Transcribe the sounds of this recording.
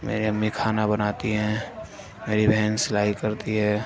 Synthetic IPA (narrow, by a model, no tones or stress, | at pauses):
mḛːɾiɐmːikʰaːnabənaːt̪iɦɛ̃ː | meːɾibʱɛɦnsɪlaːikəɾt̪iɦɛː